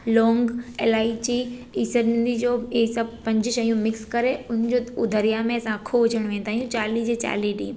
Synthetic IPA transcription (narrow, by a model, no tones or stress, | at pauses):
lɔːŋɡeːlaːit͡ɕiiːsəɾnɪ̃nd̪id͡ʑoesɐb̚pɐ̃ɲd͡ʑɪʃɐjũmɪkskɐɾeʊn̤d͡ʑoʊd̪ʱəɾijamẽɐsãkʰoɦʊd͡ʑʱəɽ̃ʋẽːn̆d̪aːɦijũt͡ɕaːlid͡ʑet͡ɕa̰ːliɖḭː